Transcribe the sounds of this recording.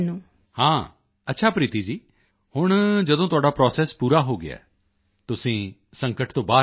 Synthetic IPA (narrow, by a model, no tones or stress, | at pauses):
nũː | hãː | ətːʃʰaːpɾiːt̪iːd͡ʒiː | hʊɳ̃d͡ʒəd̪õt̪ʊaːɖaːpɾɔːsɛːspuːɾaɦoːɡɪa̰ː | t̪ʊsĩːsə̃ŋkəʈt̪õːbaː